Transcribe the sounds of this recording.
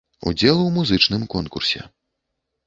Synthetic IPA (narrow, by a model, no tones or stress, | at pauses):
ṵd͡zʲɛlˠuwmuzɨt͡ʂnɨmkɔnkursʲɛ̰